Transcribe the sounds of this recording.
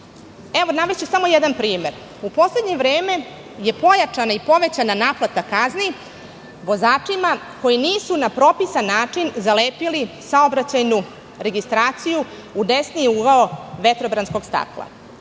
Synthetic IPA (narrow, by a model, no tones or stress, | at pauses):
eʋo̞naʋet͡ɕesamo̞jed̪anpɾiːme̞ɾ | upo̞sle̞d̪ɲe̞ʋɾeːme̞ | je̞po̞jat͡ʃanaipo̞ʋe̞t͡ɕananaːplˠat̪akazni | ʋo̞zaːt͡ʂima | ko̞jiniːsunapɾo̞pisanːaːt͡ʂinzaleːpilisaobɾat͡ɕajnu | ɾe̞ɡist̪ɾaːt̪siju | ud̪esniuɡaoʋe̞t̪ɾo̞bɾansko̞ɡst̪a̰klˠa̰